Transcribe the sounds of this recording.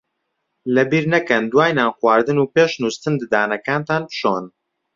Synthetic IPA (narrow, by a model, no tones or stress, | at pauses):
lɛbiːɾnɛkɛnd̪waːjnaːnxwaːɾd̪ɨnuːpeːʃnust̪ɨnd̪ɨd̪aːnɐkaːnt̪aːnpɨ̥ʃoːn